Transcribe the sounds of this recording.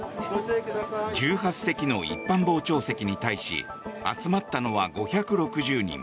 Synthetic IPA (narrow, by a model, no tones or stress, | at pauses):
d͡ʑɨːɦasse̞kʲino̞ḭpːãmbo̞ːt͡ɕo̞ːse̞kʲiɲ̟it̪aiɕḭ | a̰t͡sɨmat̪ːano̞βaɡo̞çakɯ̟ɾo̞kɯ̟ʑɨːɲ̟ḭ̃ŋ